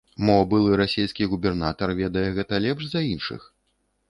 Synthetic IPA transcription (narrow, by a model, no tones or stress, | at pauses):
mɔbɨlˠɨɾasʲejskʲiɣubʲɛrnat̪ɐrvʲɛd̪ɐjɛɣɛt̪ɐlʲɛpʂzɐinʂɨ̰x